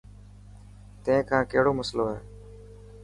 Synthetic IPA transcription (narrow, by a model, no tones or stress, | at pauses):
t̪ẽɪ̃kʰãːkəɦɪɽoːməsloːɦɛː